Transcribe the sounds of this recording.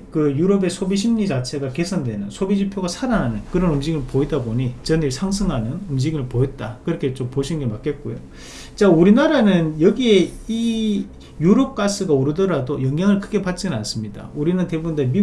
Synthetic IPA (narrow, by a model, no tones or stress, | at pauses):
kɯjuɾʌbe̞sʰobiɕ̬ʰimɲit͡ɕat͡ɕʰe̞ɡake̞sʰʌndwe̞nɯnsʰobid͡ʑipʰjoɡasʰadanɦanɯnkɯɾʌnumd͡ʑiɡɯɭpoidaboɲit͡ɕʌniɭsʰaŋs̬ʰɯŋɦanɯnumd͡ʑiɡiɭpoet̚t͈akɯɾʌkʰet͡ɕompoɕʰinɯnɡemak͈ʰe̞t̚k͈ojo | t͡ɕauɾinaɾanɯnjʌɡie̞i | juɾʌp̚k͈as͈ɯɡauɾɯdʌɾadojʌŋjaŋɯɭkʰɯɡe̞pat̚t͡ɕ͈inɯnans͈ɯmɲida̰uɾinɯnte̞bundɯmi